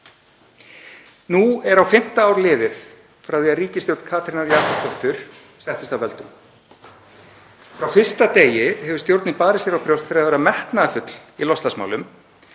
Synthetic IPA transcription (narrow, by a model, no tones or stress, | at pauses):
nuɛɾawfɪm̥t̪aaːwɾlɪːðɪθ | fɾawθiaðriːcɪsjowt̪kʰaːt̪ʰɾɪnaɾjat̪ast̪ɔht̪ʏɾ̥ | sɛht̪ɪst̪awvɛlt̪ʏm | fɾawfɪr̥st̪at̪eːjɪhɛvʏɾ̥st̪jowɾt̪nɪpaːɾɪsjɛɾawpʰɾjowst̪fɛɾaðvɛːɾamɛhk̪naafʏt̪lilɔst̪lasma̰ːwlʏm